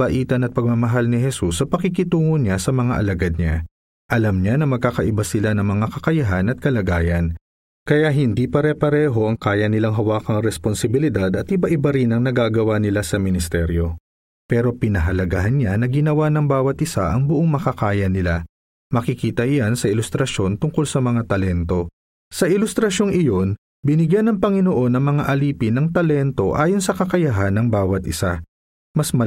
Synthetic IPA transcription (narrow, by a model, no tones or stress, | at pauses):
bɐʔiːt̪ɐnɐt̪̚pɐɡ̚mɐmɐɦalnɪɦɛsusːɐpɐkɪkɪt̪uːŋoɲasɐmɐŋaʔɐ̰lɐɡad̪̚ɲa̰ | ʔɐlamɲanɐmɐɡ̚kakɐʔɪbasɪlanɐŋmɐŋakɐkɐjɐɦanɐt̪̚kɐlɐɡaːjɐn | kɐjaʔɦɪnd̪ipɐɾɛpɐɾɛːɦo̞ʔɐŋkaːjɐnɪlaŋɦɐwaːkɐŋɾɛsponsɪbɪlɪd̪ad̪ɐt̪ʔɪbaʔɪbaɾinɐŋnɐɡaːɡɐwanɪlasɐmɪnɪst̪ɛɾjo̞ | pɛːɾo̞pɪnɐɦɐlɐɡa̰ɦɐnɲanɐɡɪnɐwanɐŋbaːwɐt̪̚ʔɪsaʔɐŋbʊʔo̞ŋmɐkɐkaːjɐnɪla | mɐkɪkiːt̪ɐʔjansɐʔɪlʊst̪ɾɐʃo̞nt̪ʊŋko̞lsɐmɐŋat̪ɐlɛnt̪o̞ | sɐʔɪlʊst̪ɾɐʃo̞ŋɪjo̞n | bɪnɪɡjanɐŋpɐŋɪnoʔo̞nːɐŋmɐŋaʔɐliːpɪnːɐŋt̪ɐlɛnt̪o̞ʔaːjo̞nsɐkɐkɐjɐɦanːɐŋbaːwɐt̪ʔɪsa | mɐsmɐ